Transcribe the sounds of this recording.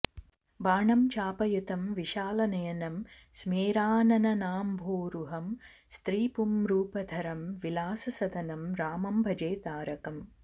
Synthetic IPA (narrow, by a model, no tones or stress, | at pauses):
baːɳɐmt͡ʃaːpɐjut̪ɐmʋiʃaːlɐnɐjɐnɐm | smeːɾaːnɐnɐnaːmbʱoːɾuɦɐmst̪ɾiːpumɾuːpɐd̪ʱɐɾɐmʋilaːsɐsɐd̪ʱɐnɐmɾaːmɐmbʱɐd͡ʒeːt̪aːɾɐkɐm